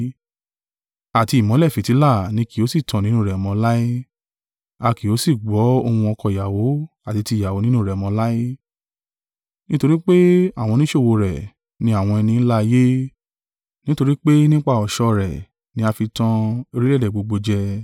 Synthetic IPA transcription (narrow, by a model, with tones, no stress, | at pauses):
a˨ti˧˨mɔ̃˨˦lɛ˦˨fi˨ti˨˦la˦˨nĩ˧˦ki˨o˨˦si˦˨tʰã˨nĩ˨˦ũ˦˨ɾɛ˨mɔ̃˧˦la˦i˦ | a˧ki˨o˨˦si˦˨ɡ͡bɔ˨˦o˧hũ˧ɔ˧kɔ˧˨i˨ja˨wo˨˦ | a˦˨ti˧ti˧˦˨ja˨wo˨˦nĩ˦nũ˦˨ɾɛ˨ɔ˨mɔ̃˧˦la˦i˦ | nĩ˦to˧ɾi˦k͡pe˦a˦˨w̃ɔ̃˧nĩ˦ʃo˦˨wo˧ɾɛ˨ | nĩ˧˦a˦˨w̃ɔ̃˧ɛ˧nĩ˧n̩˦la˦˧je˦ | nĩ˦to˧ɾi˦k͡pe˦nĩ˦k͡pa˦˨ɔ˨ʃɔ˧ɾɛ˨ | nĩ˧˦a˧fi˧tã˧e˧ɾi˦lɛ˦dɛ˨ɡ͡bo˧ɡ͡bo˧d͡ʒɛ˧